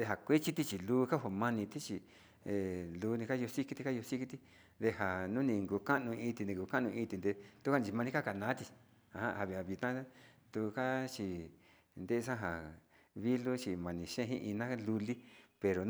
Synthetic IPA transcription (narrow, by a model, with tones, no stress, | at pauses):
e˧ɦa˨kʷe˦t͡ʃi˦t̪i˧t͡ʃi˨luː˦˧ka˦ho˧mã˧nĩ˧t̪i˦t͡ʃi˧ | e˨luː˧˦˧nĩ˧ka˦jo˧si˦ki˧t̪i˧ka˦jo˧si˦ki˧t̪i˦ | d̪e˧ha˨nũ˦nĩ˧ŋɡu˧ka˦nũ˧ĩ˧t̪i˧nĩ˧˨ɡu˧ka˦nũ˧ĩ˧t̪i˧nd̪e˧t̪u˦ka˦nĩ˧t͡ʃi˧mã˧nĩ˧ka˦ka˧˨nã˨˦t̪i˧ | a˨hã̰˦ha˧βi˧˨a˧˨βi˧t̪ã˦t̪u˧ka˦t͡ʃi˧ | nd̪e˦˧sã˦ɦa˨ | βi˦lu˦t͡ʃi˧mã˧nĩ˧ʃẽ˦˧ɦḭ̃˦ʔi˧nã˦lu˧li˦pe˧ɾo˨